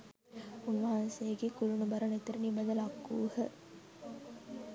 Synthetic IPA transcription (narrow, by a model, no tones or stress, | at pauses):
unʋɐɦɐnsejəɡekulunubɐɾɐnet̪uɾənibɐnd̪əlɐkːuːhə